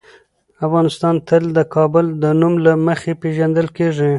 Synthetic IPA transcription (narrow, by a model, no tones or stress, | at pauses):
afɣɑnɪst̪ɑnt̪əld̪əkʰɑbʊld̪ənumlaməxepeʒand̪əlkeʐi